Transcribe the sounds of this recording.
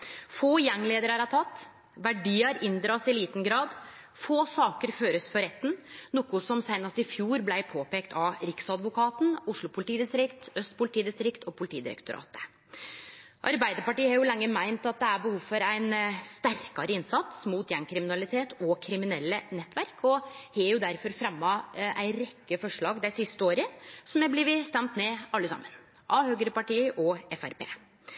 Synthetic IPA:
foːjɛŋːleːd̪əɾæɾɑt̪ʰɑt̪ː | ʋæɖiːɑɾɪnd̪ɾɑːsɪliːt̪n̩ɡɾɑːd̪ | foːsɑːkəɾføːɾəsfɔɾɛt̪ːn̩nʊkʊsɔmsæɪnɑst̪ɪfjuːɾblæɪpʰoːpeːkt̪ʰɑɾɪksɑd̪ʋʊkʰɑːt̪n̩ʊʂɭʊpʰʊlɪt̪iːd̪ɪst̪ɾɪkt̪œst̪pʰʊlɪt̪iːd̪ɪst̪ɾɪkt̪ʰɔpʰʊlɪt̪ʰiːd̪ɪ̰ɾɛ̰kt̪ʊɾɑ̰ːt̪ə̥ | ʔɑ̰ɾbæɪd̪əɾpɑʈiːəhɑɾjʊlɛŋːəmæɪnt̪ɑt̪̚d̪ɛæɾbəhuːʋfɔɾæɪnst̪æɾkɑɾəɪnsɑt̪smuːt̪jɛŋkʰɾɪmɪnɑlɪt̪ʰeːt̪ɔkʰɾɪmɪnɛlːənɛt̪ːʋæɾkʰɔhɛjʊd̪æɾfɔɾfɾɑmːɑʔæ̰ɪɾɛkːəfɔʂɭɑːɡd̪æɪsɪst̪əoːɾəsɔmjæblɪʋɪst̪ɛmt̪meːɑlːəsɑ̰mːən | ʔɑːhøːɡəɾəpɑʈiːəʔɔɛfæ̰ɾpḛː

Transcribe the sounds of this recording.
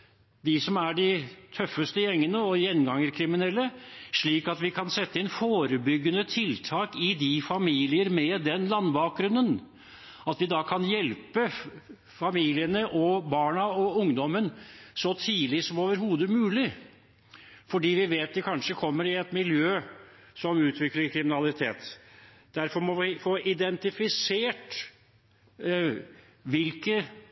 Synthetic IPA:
d̪ɪsɔmæɖɪt̪ʰœfːəst̪əjɛŋːənəɔjɛnːɡɑŋəɾkʰɾɪmɪnɛlːəʂɭiːkɑt̪ʋɪkʰɑnsɛt̪ːəɪnfoːɾəbʏɡːənət̪ʰɪlt̪ʰɑːkɪd̪ɪfɑmiːlɪəɾmɛd̪ɛnlɑnːbɑːk̚ɡɾʉnːən | ɑt̪ʋɪd̪ɑkʰɑnjɛlpə | fɑmiːlɪənəʔɔbɑːɳɑɔʊŋd̪ɔmːənsɔt̪ʰiːlɪsɔmoːʋəɾɦuːd̪əmʉːlɪ | fɔɖiːʋɪʋeːt̪̚d̪ɛkʰɑnʂəkʰɔmːəɾɪɛt̪mɪljøː | sɔmʉːt̪ʰʋɪkləɾkʰɾɪmɪnɑlɪt̪ʰeːt̪ | d̪̥æɾfɔɾmɔʋɪfoːʔɪd̪ɛnt̪ɪfɪseːʈ | ʋɪlkə

